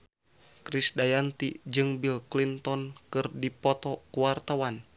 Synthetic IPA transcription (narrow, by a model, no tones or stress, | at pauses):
kɾisdajant̪id͡ʒɨŋbilklint̪ɔnkɨrdipɔt̪ɔkuwart̪awan